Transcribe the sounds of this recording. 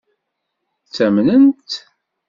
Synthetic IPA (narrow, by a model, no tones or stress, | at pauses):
t͡sːæmnənt̪